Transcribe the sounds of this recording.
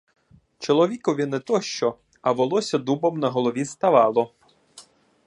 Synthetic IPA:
t͡ʃɔlˠɔʋʲikɔʋʲinɛt̪ɔʃt͡ʃɔ | ɐʋɔlˠɔsʲɐd̪ubɔmnɐɦɔlˠɔʋʲist̪ɐʋɑlˠɔ

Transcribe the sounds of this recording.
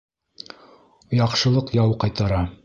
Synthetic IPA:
jɑqʃɤ̆lˠɤqjɑwqɑjt̪ɑɾɑ

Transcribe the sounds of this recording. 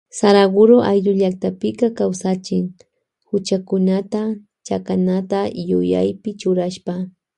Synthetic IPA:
saɾaɡʊɾoʔajʎʊʎak̚t̪apɪkakawsat͡ʃɪŋ | hʊt͡ʃakʊnat̪a | t͡ʃakanat̪ajʊ̰ja̰jpɪt͡ʃʊɾaʃpa

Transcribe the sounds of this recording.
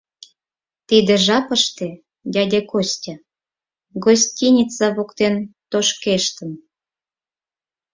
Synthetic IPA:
t̪id̪ĕʒɑpəʃt̪ĕ | d̪ʲæd̪ʲekosʲtʲɑ | ɡosʲtʲinʲit͡sɑβokt̪ent̪oʃkeʃt̪ə̆m

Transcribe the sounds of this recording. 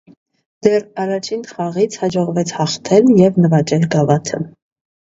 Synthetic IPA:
d̪̥ɛrɑrɑt͡ʃʰinχɑʁit͡sʰhɑd͡ʒɔʁvɛt͡sʰhɑχt̪ʰɛljɛvnəvɑt͡ʃɛlɡɑvɑt̪ʰə̰

